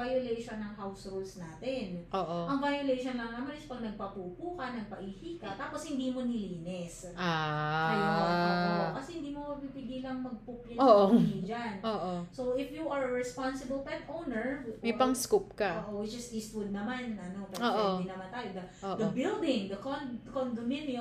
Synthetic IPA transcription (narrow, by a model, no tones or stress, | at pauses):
ajolejʃonːɐŋhawsholsnaːt̪ɪnʔoːʔoʔɐŋvajolejʃonlɐŋnɐmanɪspɐɡ̚nɐɡ̚papupuːkɐnɐɡ̚pɐʔiːhiːkɐt̪aːposhɪnd̪imo̞nɪliːnɛsʔaaj | okɐsɛhɪnd̪iːmomɐɡ̚pipɪɡiːlɐŋmɐɡ̚pʊpjɪoːʔoid͡ʒanʔoːʔosowʔɪfjuʔɐɹɐɹɛspansɪbɐlpɛt̪ʔownɛɹmɛjpɐŋskup̚kɐoːʔowɪd͡ʒɐst̪ist̪fʊl̚nɐmanʔɐno̞pɛɾoːʔoɪnd̪inɐmant̪aːjod̪ɐ | oːʔd̪ɐbɪld̪ɪŋd̪ɐkonkond̪ominjo